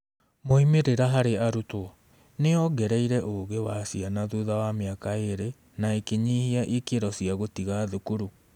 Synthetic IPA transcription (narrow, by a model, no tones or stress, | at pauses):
moimeɾeɾaɦaɾeaɾutwɔ | neɔɡɛɾɛiɾɛʔoɣewasianaðuðawameakaeɾe | naekeɲihiaʔikeɾɔsiaɣotiɣaðukuɾu